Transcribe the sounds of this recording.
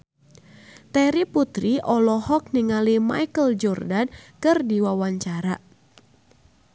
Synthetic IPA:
t̪ɛɾiput̪ɾiʔɔlɔhɔk̚niŋalima̰jkəld͡ʒɔrdankɨrdiwawaɲt͡ʃaɾa

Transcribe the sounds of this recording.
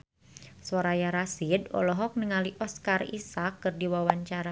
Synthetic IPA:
sɔɾajaɾasidɔ̰lɔɦɔk̚nəŋaliʔɔskarḭsakːɨrdiwawaɲt͡ʃaɾa

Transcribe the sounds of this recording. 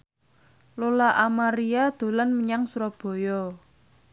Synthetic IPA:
lolaʔamaɾiad̪̥o̤lanməɲaŋsuɾɔb̥ɔ̤jɔ

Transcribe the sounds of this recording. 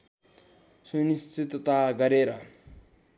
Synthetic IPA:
sunist͡sit̪t̪aɡʌɾeɾʌ

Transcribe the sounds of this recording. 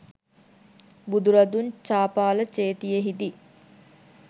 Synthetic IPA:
bud̪uɾad̪unt͡ʃaːpaːlət͡ʃeːt̪ijəɦid̪i

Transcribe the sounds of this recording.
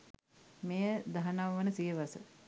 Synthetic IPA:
mejəd̪aɦanaʋʋənəsijəʋasə

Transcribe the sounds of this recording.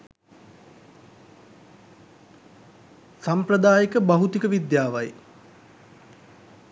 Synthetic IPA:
samprɐd̪aːjəkəbaɦut̪ikəʋid̪jaːʋaj

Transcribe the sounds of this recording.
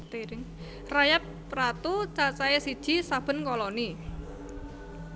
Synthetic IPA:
t̪eɾɪŋ | rajap̚ː | ɾat̪ut͡ʃat͡ʃaesid̥ʒ̥i̤sab̥ə̤nkɔlɔni

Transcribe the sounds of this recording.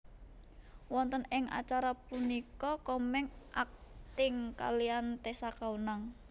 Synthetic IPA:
wɔnt̪ənɪŋʔa̰t͡ʃaɾapunikɔkɔmɛŋʔak̚t̪ɪŋka̰liant̪esakaunaŋ

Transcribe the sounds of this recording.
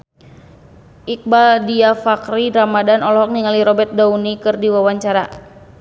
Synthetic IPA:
ʔik̚baldiafakɾiɾamadanɔlɔɦɔk̚niŋaliɾɔbɛt̪̚daunikɨrdiwawaɲt͡ʃaɾa

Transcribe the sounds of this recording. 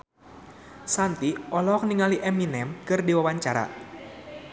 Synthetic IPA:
sant̪iɔlɔk̚niŋaliʔɛminɛmkɨrdiwawaɲt͡ʃaɾa̰

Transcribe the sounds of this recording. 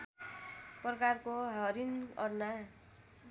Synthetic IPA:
prʌkarkoɦʌɾinʌrna

